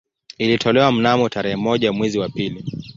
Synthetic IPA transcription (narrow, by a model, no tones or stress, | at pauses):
ilitʰɔlɛwam̩namɔtaɾɛhɛmɔʄamwɛziwapili